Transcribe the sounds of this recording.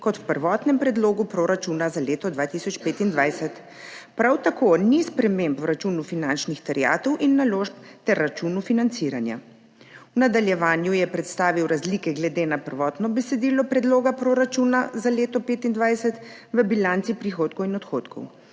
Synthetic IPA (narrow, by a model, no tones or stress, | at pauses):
kɔt̪wpəɾʋɔːt̪nɛmpɾɛd̪loːɡupɾoːɾat͡ʃunazaleːt̪ɔd̪ʋaːt̪isɔt͡ʃpeːt̪ind̪ʋajsɛt̪ | pɾawt̪akoːnispɾɛmempwɾat͡ʃunufinant͡ʃnixt̪ɛɾja̰ːt̪ɔwʔinːaloːʃp̚t̪ɛɾːat͡ʃunufinant̪siɾanja̰ | unad̪aljɛʋaːnjujɛpɾɛt̪st̪aːʋiwɾazlikɛɡlɛd̪enapəɾʋɔːt̪nɔbɛsɛd̪iːlɔpɾɛd̪loːɡapɾoːɾat͡ʃunazaleːt̪ɔpeːt̪ind̪ʋajsɛt̪ | ʋəbilant̪sipɾixoːt̪̚kɔwinɔt̪xoːt̪kʰɔ̰w